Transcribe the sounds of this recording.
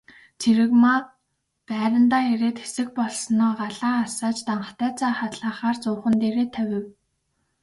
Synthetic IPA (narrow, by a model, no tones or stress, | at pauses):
t͡sʰeɾɘ̆kma | pæːɾə̆nt̪aːxeɾeːt̪xe̥sɘ̆k̚pɔɮsnɔːɢaɮaːasaːt͡ɕt̪aɴə̆χt̪æːt͡sʰaːχat̪ɮaːχaːrt͡sʊːχə̆nt̪eːɾeːt̪ʰːæwʲɪ̆w